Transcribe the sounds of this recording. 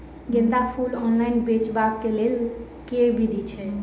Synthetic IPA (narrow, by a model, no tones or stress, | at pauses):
ɡẽnd̪apʰulɔnlaɪnbet͡ʃbak̚kelel | kebʱid̪ʱit͡ʃʰɛ